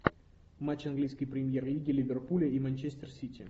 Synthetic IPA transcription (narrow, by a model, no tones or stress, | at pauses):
mat͡ɕɐnɡlʲijskʲɨjpɾʲɪmʲjerlʲiɡʲɪlʲɪvʲɪrpulʲɪimɐnʲt͡ɕesʲt̪ʲərsʲitʲɪ̰